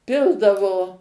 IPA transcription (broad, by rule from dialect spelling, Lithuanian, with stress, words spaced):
ˈpʲɪlˠdɐʋoː